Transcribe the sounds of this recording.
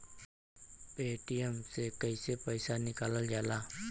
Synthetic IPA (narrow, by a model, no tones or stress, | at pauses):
peːʈijəmsekəisepəɪsanɪkaːləld͡ʒaːlaː